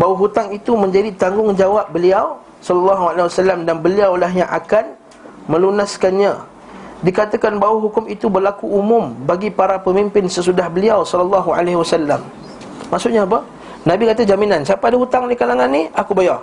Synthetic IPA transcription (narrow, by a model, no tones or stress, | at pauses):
bawaɦut̪aŋit̪umə̃ɲd͡ʒadit̪aŋɡʊŋd͡ʒawap̚bəliaw | sɔlɔlːaɦualawasalːamdanbəliawlaɦjaŋʔa̰kan | mə̃lunaskanɲã | dikat̪akanbawaɦukʊmit̪ubərlakuumʊ̃mbaɡipaɾapəmimpɪnsəsudahbəliawsɔləlːaɦua̰laɦwasalːamː | aʔsʊʔɲaːp̬ə | nãbikat̪ad͡ʒaminansiapaadaɦut̪aŋnikalaŋanːiʔakubajar